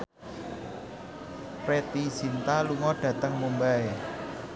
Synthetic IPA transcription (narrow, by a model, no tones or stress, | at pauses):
ɾet̪isint̪aluŋɔɖ̥ä̤t̪əŋmumbae